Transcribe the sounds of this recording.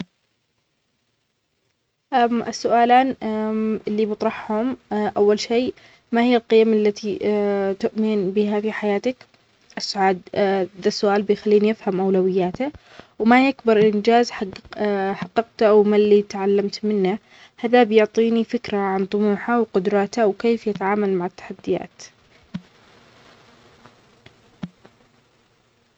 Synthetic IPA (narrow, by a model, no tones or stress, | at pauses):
ʔamʔɪsːʊʔaːlaːn | ʔɪlːibɨt̪ˤɾˤɑħhʊmʔawːalʃeː | mahɪjːalqɪjamʔalːat̪it̪ʊʔmɪnbɪɦafiħajaːt̪ak | ʔɪsːʊʕaːd̪ðasːʊʔaːlbɪjxalːiːnijɪfhamʔawlawɪjːaːt̪a | wmajakbɑɾˤʔɪnd͡ʒaːzħ | ħɑqːɑqt̪wmalːit̪ʕalːamt̪mɪnːa | haðabjʊʕt̪ˤiːnifɪkɾaʕant̪ˤʊmuːħawqʊd̪ɾˤɑːt̪awkeːfjɪt̪aʕaːmalmaʕat̪ːḁħad̪ːɪja̰ːt̪